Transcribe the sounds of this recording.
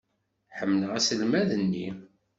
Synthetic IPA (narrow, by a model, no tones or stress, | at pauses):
ħəmːnəʁæsəlmæðənːḭ